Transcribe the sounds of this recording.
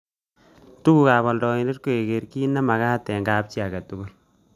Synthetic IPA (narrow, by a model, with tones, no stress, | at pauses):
tu˦ku˨ka˨bɔ˨ldɔ˨i˨nde˦t̚ko˨e˨ke˨ɾki˦na˦ma˨ka˦tɛ˨ŋɡa˨˦p̚t͡ʃi˦a˨ka˨tu˦ɡu˦˨l